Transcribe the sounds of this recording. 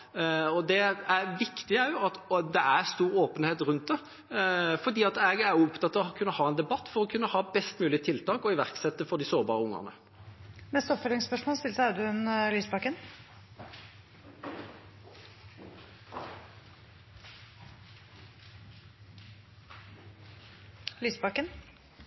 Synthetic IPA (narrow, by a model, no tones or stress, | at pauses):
ɔd̪ɛæɾʋɪkt̪ɪæʊɑt̪d̪ɛʔæɾst̪uːɾoːpənheːt̪ɾʉnt̪̚d̪ɛ | fɔd̪iːɑt̪ɛɡæɾjʊɔpt̪ʰɑt̪ːɑʋɔɑkʰʉnːəhɑːɛnd̪ɛbɑt̪ːfɔɾʁɔkʰʉnːəhɑːbɛst̪mʉːlɪt̪ʰɪlt̪ʰɑːkɔɪʋæʁksɛt̪ːəfɔd̪ɪsoːʁbɑ̰ːʁəʊŋːə̰ʁnə̰ | mɛst̪ɔfəlɪŋspœʂmoːlst̪ɪlsæd̪ʉnlyːsbɑkən | lyːsbɑkən